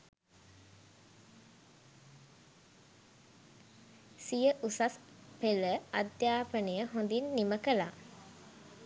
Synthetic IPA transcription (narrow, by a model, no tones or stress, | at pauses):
sijəʔusas | peləad̪jaːpənejəɦõnd̪inːiməkəla̰